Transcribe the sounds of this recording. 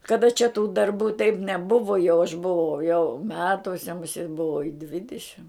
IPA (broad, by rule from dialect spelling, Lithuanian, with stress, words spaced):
kɐˈdɐ t͡ʃʲɛ tuː dɐrˈbuː tɐɪp nʲɛˈbʊʋoː jɛʊ ɐʃ bʊˈʋɐʊ jɛʊ ˈmʲæːtuɔsʲɛ mʊˈsʲeːt bʊˈʋɐʊ ɪ ˈdʲʋʲɪdʲɪʃʲɪm